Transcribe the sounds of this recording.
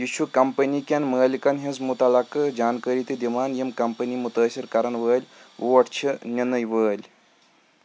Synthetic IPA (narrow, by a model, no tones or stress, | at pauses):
jit͡ʃʰukɐmpənikʲɐnʲməːlikɐnɦɐnzmut̪ɐlɐkɨd͡ʒaːnkəɾiːt̪id̪imaːnjimkɐmpɐnimut̪əːsiɾkɐɾɐnʋəːlʲoːɐʈt͡ʃʰinʲɐnɐjʋəːlʲ